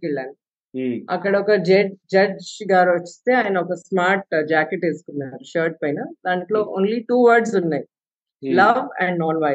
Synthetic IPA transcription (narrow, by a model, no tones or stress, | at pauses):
kiɭːaːnu | ɐ̰kːɐɽɐɔkɐd͡ʒed͡ʒɐd͡ʒɡaːɾot͡ʃːi̥st̪eːaːjɐnɐɔkɐsmaːɾʈ̚d͡ʒaːkeʈeskunːaʃəːɾʈ̚pɐjnɐd̪aːniʈlo̞ːʔoːnliʈuːʋɐɾɖsunːaj | lɐʋɛɳɖnɔːɾʋaː